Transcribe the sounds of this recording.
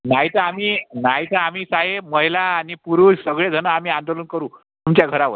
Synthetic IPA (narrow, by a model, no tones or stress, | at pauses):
naɦit̪əamiːnaɦit̪əam̤iːsaɦeməɦilaːnipuɾuːʂsəɡɭed͡zʱənəam̤iːãnd̪olənkəɾuː | t̪umt͡ɕjaɡʱəɾaʋə̰t̪